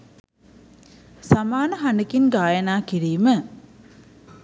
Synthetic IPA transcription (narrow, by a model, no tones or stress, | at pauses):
samaːnəɦanekinɡaːjɐnaːkiɾiːmə